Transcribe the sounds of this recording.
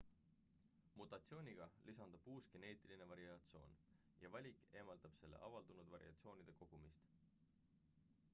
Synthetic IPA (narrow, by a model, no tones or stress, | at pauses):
mut̪ˑɑt̪sio̞ːnʲiɡ̥ɑlʔisɑnd̪̥ɑb̥uːsɡ̥e̞ne̞ːt̪ˑiline̞vɑɾiɑt̪sio̞̰ːn | jɑvɑlʲikˑe̞ːmɑld̪̥ɑb̥se̞lːḛʔɑvɑld̪̥unud̪vɑɾḭɑ̰t̪sio̞ːnid̪̥e̞ko̞ɡ̥umist̪